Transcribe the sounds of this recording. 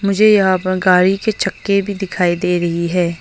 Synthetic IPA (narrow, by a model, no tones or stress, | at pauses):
mʊd͡ʒʱejɐɦãpəɾɡaːɽiket͡ʃʰɐkːebʱid̪ɪkʰaːid̪eːɾɐɦiɦɛː